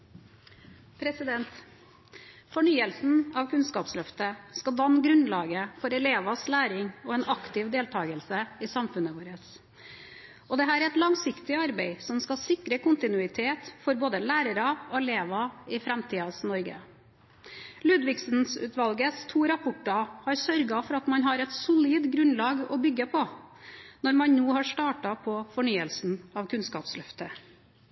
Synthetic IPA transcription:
pʰɾɛsɪd̪ɛnt̪ | fɔɳyːəlsn̩ɑʋkʰʉnskɑːpslœft̪əskɑld̪ɑnːɡɾʉnlɑːɡəfɔɾɛleːʋɑslæːɾɪŋɔɛːnɑkt̪ɪʋd̪eːlt̪ʰɑːɡəlsəɪsɑmfʉnəʋoːɾəs | ɔd̪ɛɦæːɾæɾɛt̪lɑŋsɪkt̪ɪɑɾbɛɪsɔmskɑlsɪkɾəkʊnt̪ɪnʉɪt̪ʰeːt̪fɔɾboːd̪əlæːɾəɾɑɔɛleːʋɑɪfɾɛmt̪ʰiːɑsnɔɾɡə̰ | lʉːd̪ʋɪksnsʉ̰ːt̪ʋɑlɡəst̪ʰuːɾɑpʰʊʈːɑhɑɾsœɾɡɑfɔɾɑt̪mɑnɦɑɾɛt̪sʊliːd̪ɡɾʉnlɑːɡɔbʏɡːəpʰɔ | nɔɾmɑnnuːhɑʂʈ̪ɑːʈɑpʰɔfɔɳyːəlsn̩ɑʋkʰʉnskɑ̰ːpslœft̪ə

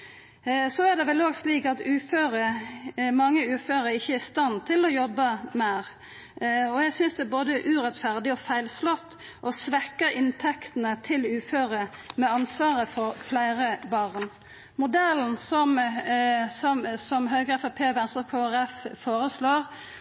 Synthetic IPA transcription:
sɔæd̪ɛʋɛloːɡsliːkɑt̪ʉːføːɾə | mɑŋːəʉːføːɾəɪçːəæɪst̪ɑnt̪ʰɪlɔjɔbːəmɛʁ | ɔjæɪsʏnsd̪ɛboːd̪əʔʉːɾɛt̪fæʁd̪ɪɔfæɪlslɔt̪ː | ʔɔsʋɛkːəɾɪnt̪ʰɛkt̪ənət̪ʰɪlʉːføːɾəmɛɑnsʋɑːɾəfɔɾflæɪɾəbɑʁn | mʊd̪ɛln̩sɔm | sɔmsɔmɦœʏɡʁɛfɑpʰeːʋɛnsɔkʰoːæɾɛffoːɾəsloːɾ

